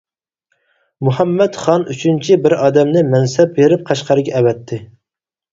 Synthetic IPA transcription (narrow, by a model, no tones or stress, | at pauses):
muɦɛmːɛt̪χɑnyt͡ʃʰynt͡ʃʰibɪɾɑːd̪ɛmnɪmɛnsɛp̚beɾɪp̚qʰɑʃqɑɾɨɡʲɛʔɛwɛt̪ʰːɪ